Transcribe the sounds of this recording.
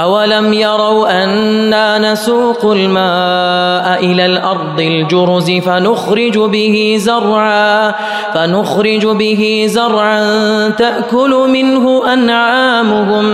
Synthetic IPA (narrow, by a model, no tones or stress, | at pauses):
ʔawalamjɑɾˤɑwʔanːaːnasuːqʊlmaːʔaʔɪlaːlʔɑɾˤd̪ˤɪld͡ʒʊɾʊzɪfanʊxɾɪd͡ʒʊbɪhɪzʊrˤʕaː | fanʊxɾɪd͡ʒbɪɦɪzɑɾˤʕant̪aʔkʊlʊmɪnɦʊʔanʕaːmʊhʊm